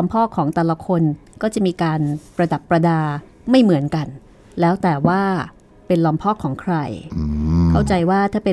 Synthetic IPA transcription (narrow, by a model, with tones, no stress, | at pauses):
lɔ˧mpʰɔː˥˩kʰɔː˩˦ŋt̪ɛː˨˩la˧kʰo˧nkɔː˥˩t͡ɕa˨˩ʔmiː˧kaː˧npɾa˧da˨˩pːɾa˧daː˧ | ma˥˩jmɯ˩˦ənka˧n | lɛː˦˥wt̪ɛː˨˩waː˥˩ | pe˧nlɔː˧mpʰɔː˥˩kʰːɔː˩˦ŋkʰɾa˧j | kʰa˥˩wt͡ɕa˧jwaː˥˩t̪ʰaː˥˩pe˧